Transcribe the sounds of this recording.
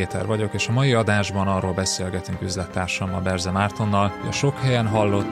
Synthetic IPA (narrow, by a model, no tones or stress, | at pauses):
eːt̪ʰɛ̰rvɒɟo̞keːʃɒmɒjiɒd̪aːʒbɒnɒrːoːlbɛseːlɡɛt̪yŋkyzlɛt̪ːaːrʃɒmɒbɛrzɛmaːrt̪o̞nːɒlhoɟɒ̰ʃo̞khɛjɛnɦɒlːo̞t̪ː